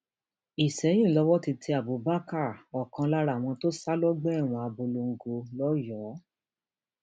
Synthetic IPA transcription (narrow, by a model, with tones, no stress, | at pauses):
i˨sɛ˨˦j̃ĩ˦˨lɔ˧wɔ˦ti˧tʰi˧˦a˨bu˨ba˦ka˦˨ɔ˨kã˧la˦ɾa˦˨w̃ɔ̃˧to˦sa˦lɔ˦ɡ͡bɛ˦ɛ˦˨w̃ɔ̃˧˨a˧˨bo˧lo˧ŋ̩˨ɡo˧lɔ˦jɔ˨˦